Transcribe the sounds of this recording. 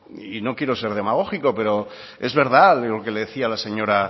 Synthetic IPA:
ino̞kjeɾo̞se̞ɾðe̞maɣ̞o̞xiko̞pe̞ɾo̞ | e̞zβe̞ɾðallokele̞ðeθialase̞ɲo̞ɾa

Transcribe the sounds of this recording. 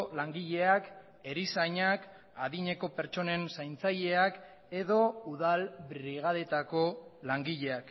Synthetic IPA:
laŋɡiʎe̞ak | e̞ɾisajɲak | aðiɲe̞ko̞pe̞ɾt͡ʃo̞ne̞nsajnt͡saje̞ak | e̞ðo̞uðalbɾiɣ̞aðe̞t̪ako̞laŋɡiʎe̞ak

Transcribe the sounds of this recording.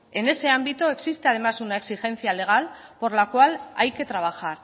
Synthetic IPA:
e̞ne̞se̞ambit̪oe̞ksist̪e̞að̞emasunae̞ksixe̞nθiale̞ɣ̞alpo̞ɾlakwalajke̞t̪ɾaβ̞axaɾ

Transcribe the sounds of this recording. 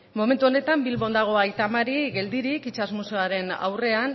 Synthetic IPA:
mo̞me̞nt̪uo̞ne̞t̪ambilβo̞nd̪aɣ̞o̞ajt̪amaɾiɣe̞ld̪iɾikit͡ʃazmuseaɾe̞na̰wre̞an

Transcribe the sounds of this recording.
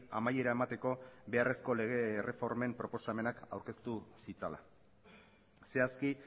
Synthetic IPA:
amaje̞ɾae̞mat̪e̞ko̞be̞are̞sko̞le̞ɣ̞e̞ːrʔe̞fo̞ɾme̞mpɾo̞po̞same̞nakawɾke̞st̪usit͡sala̰ | se̞aski

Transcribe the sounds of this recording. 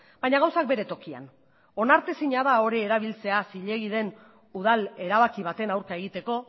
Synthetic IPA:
bajɲaɣ̞awsak̚be̞ɾe̞t̪o̞kia̰n | o̞naɾt̪esiɲaðao̞ɾieɾaβ̞ilt͡se̞asiʎe̞ɣiðe̞n | uð̞ale̞ɾaβakiβat̪e̞nawɾkae̞ɣ̞it̪e̞ko̞

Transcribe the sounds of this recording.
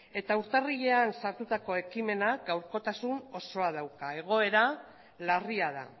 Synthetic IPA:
e̞t̪auɾt̪ariʎe̞ansaɾt̪ut̪ako̞e̞kime̞naɡawɾko̞t̪asuno̞so̞að̞awkae̞ɣ̞o̞e̞ɾa | lariað̞a̰

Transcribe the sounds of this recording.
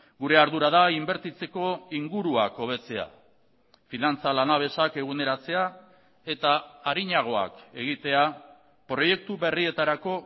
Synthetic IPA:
ɡuɾe̞aɾðuɾað̞aimbe̞ɾt̪it͡se̞ko̞iŋɡuɾuako̞β̞e̞t͡se̞a̰ | finant͡salanaβ̞e̞sake̞ɣ̞une̞ɾat͡se̞a | e̞t̪aːɾiɲaɣ̞o̞a̰ke̞ɣ̞it̪e̞a | pɾo̞je̞k̚t̪uβe̞rie̞t̪aɾako̞

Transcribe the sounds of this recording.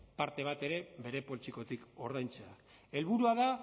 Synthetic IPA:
paɾt̪e̞β̞at̪e̞ɾe̞βe̞ɾe̞po̞lt͡ʃiko̞t̪iko̞ɾðajnt͡sea | e̞lβuɾuaða

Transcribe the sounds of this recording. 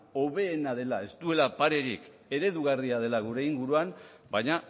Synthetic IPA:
o̞βe̞ːnaðe̞lae̞st̪ue̞lapaɾe̞ɾik | e̞ɾe̞ðuɣariaðe̞laɣ̞uɾe̞iŋɡuɾuam | bajɲa

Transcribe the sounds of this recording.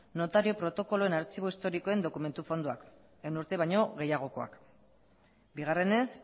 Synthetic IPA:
no̞t̪aɾio̞pɾo̞t̪o̞ko̞lo̞e̞naɾt͡siβoist̪o̞ɾiko̞e̞nd̪o̞kume̞nt̪ufo̞nd̪uak | enuɾt̪e̞βajɲo̞ɣe̞jaɣ̞o̞ko̞a̰k | biɣ̞are̞ne̞s

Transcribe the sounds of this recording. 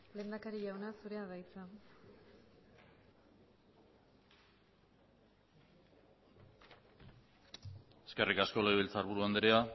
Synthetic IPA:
le̞ːnd̪akaɾiʝawnasuɾe̞aðajt͡sa | e̥ske̞rikasko̞leβelt͡saɾβuɾuand̪eɾea

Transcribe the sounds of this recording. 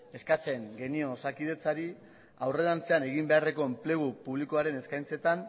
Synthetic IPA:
e̞skat͡se̞ŋɡe̞nio̞sakiðe̞t͡saɾi | awre̞lant͡se̞ane̞ɣimbe̞are̞ko̞emple̞ɣ̞upuβ̞likoaɾe̞ne̞skajnt͡se̞t̪an

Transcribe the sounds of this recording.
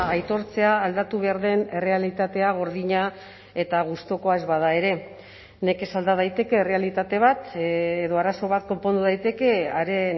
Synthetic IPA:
ajt̪o̞ɾt͡se̞aːld̪at̪uβe̞aɾðe̞ne̞re̞alit̪at̪e̞aɣ̞o̞ɾðiɲa | e̞t̪aɣ̞ust̪o̞ko̞aezβaðae̞ɾe̞ | ne̞ke̞sald̪að̞ajt̪e̞ke̞ːre̞alit̪at̪e̞β̞at̪ːðo̞aɾaso̞βat̪ko̞mpo̞nd̪uðajt̪e̞ke̞aɾe

